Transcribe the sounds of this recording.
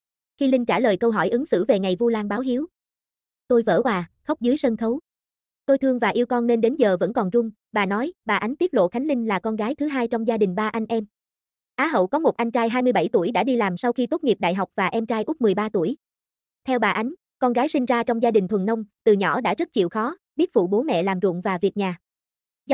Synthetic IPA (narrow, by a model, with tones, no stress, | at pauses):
xi˧lï˧ŋt͡ɕaː˧˩ləː˨˩jkə˧wɦɔ˧˩jʔɨ˨˦ŋsɨ̰˧˩ve˨˩ŋa˨˩jvu˧laː˧ŋɓaː˨˦wɦi˨˦əw | t̪o˧jvə̰ː˧˩kwaː˨˩xə˦˥wk͡p̚zɨː˨˦jsə˧nxə˨˦w | t̪o˧jt̪ʰɨ˧əŋvaː˨˩ʔi˧əwkɔ˧nːe˧nɗe˨˦nzəː˨˩və̰˧˥nkɔ˨˩nzʊ˧ŋ͡m | ɓaː˨˩nɔ˨˦jɓaː˨˩ʔa˨˦jŋ̟t̪i˦˥əlo̰˧˨xa˨˦jŋ̟lï˧ŋ̟laː˨˩kɔ˧nɣaː˨˦jt̪ʰɨ˨˦ɦaː˧jt͡ɕɔ˧wŋ͡mzaː˧ɗï˨˩ŋ̟ɓaː˧ʔa˧jŋ̟ʔɛ˧m | ʔaː˨˦ɦə̰˧˨wkɔ˨˦mo˨˩t̚ʔa˧jŋ̟t͡ɕaː˧jɦaː˧jmɨ˧əjɓa̰˧˩jt̪u˧˩əjɗa̰ː˧˥ɗi˧laː˨˩msa˧wxi˧t̪o˦˥t̚ŋi˨˩p̚ɗa̰ː˧˨jɦa˨˩wk͡p̚vaː˨˩ʔɛ˧mt͡ɕaː˧jʔʊ˦˥k͡p̚mɨ˨˩jɓaː˧t̪ṵ˧˩əj | t̪ʰɛ˧wɓaː˨˩ʔa˨˦jŋ̟ | kɔ˧nɣaː˨˦jsï˧ŋ̟zaː˧t͡ɕɔ˧wŋ͡mzaː˧ɗï˨˩ŋ̟t̪ʰə˨˩nːə˧wŋ͡mt̪ɨ˨˩ɲɔ˧˩ɗa̰ː˧˥zə˦˥t̚t͡ɕḭ˧˨wxɔ˨˦ɓi˦˥ət̚fṵ˧˨ɓo˨˦mɛ̰˧˨laː˨˩mzʊ̰˧˨əŋvaː˨˩vi˨˩ək̚ɲaː˨˩